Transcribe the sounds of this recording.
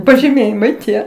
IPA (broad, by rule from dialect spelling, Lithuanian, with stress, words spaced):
pɐʒʲɪˈmʲeːjɪmɐɪ tʲiɛ